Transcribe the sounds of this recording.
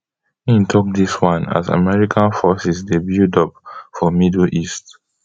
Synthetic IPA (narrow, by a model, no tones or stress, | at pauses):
ĩntʰɔk̚diswãna̰za̰mɛɹikʰãnfɔsisdebildɔp̚fɔmidl̩ʔist